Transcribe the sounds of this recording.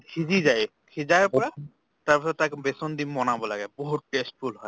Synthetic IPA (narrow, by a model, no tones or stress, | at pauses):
kʰid͡ʑid͡ʑaj | kʰid͡ʑaɾpɔɾa | t̪aɾpɔsɔɾt̪akebesond̪immɔnabolaɡɛboɦuʈes̚fʰulɦɔe